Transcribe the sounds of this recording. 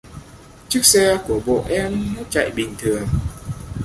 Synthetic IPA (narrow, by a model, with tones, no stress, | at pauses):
t͡ɕɨ˦˥ək̚sɛ˧ku˧˩əɓo̰˧˨ʔɛ˧mmə˦˥t͡ɕa̰˧˨jɓï˨˩ŋ̟t̪ʰɨ˨˩əŋ